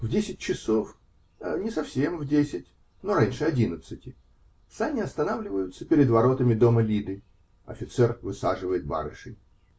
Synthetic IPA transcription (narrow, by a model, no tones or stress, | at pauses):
vdʲesʲɪt̚ʲt͡ɕɪso̞f | ənʲɪsɐfsʲe̞mvdʲesʲɪtʲ | no̞ɾanʲʂɨɐdʲinət̪sɨtʲɪ | sanʲɪɐst̪ɐnavlʲɪvəjʊt̪səpʲɪɾʲɪd̪vɐɾo̞t̪əmʲɪd̪o̞məlʲid̪ɨ | ɐ̰fʲɪt̪sɛrvɨsaʐɨvəjɪt̪̚ba̰ɾɨʂɨj